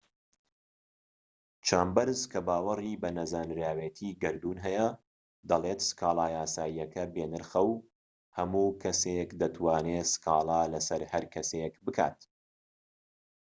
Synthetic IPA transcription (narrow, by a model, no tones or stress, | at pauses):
t͡ʃʰaːmbɐɾzkʰɐbaːwɐriːbɐnɐzaːnɾaːweːt̪ʰiːɡɐɾd̪uːnɦɛjɐ | d̪ɐlˠeːt̪skʰaːlˠaːjaːsaːjijɐkʰɐbeːnɨɾxɐw | hɐmuːkʰɐsekd̪ɐt̪ʰwaːneːsɨ̥kʰɑːlˠaːlɐsɐɾhɐɾkʰɐsekbɨkʰa̰ːt̪